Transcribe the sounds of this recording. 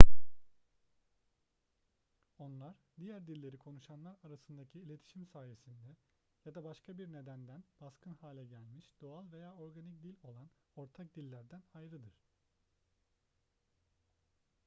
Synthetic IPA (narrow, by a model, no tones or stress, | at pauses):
o̞nlˠaɾd̪ijæɾd̪ilʲːe̞ɾikʰo̞nuʃanlˠaɾaɾasɯnd̪acʰiːlʲe̞t̪ʰi̥ʃimsaːje̞sind̪ɛ | jad̪abaʃkʰabiɾne̞d̪ænd̪ænbaskʰɯnhaːlʲɛɟælʲmiʃd̪o̞alˠve̞jaːo̞ɾɡanic̚d̪ilʲo̞lˠan | o̞ɾt̪ʰak̚d̪ilʲːæɾd̪ænajɾɯd̪ɯɾ̥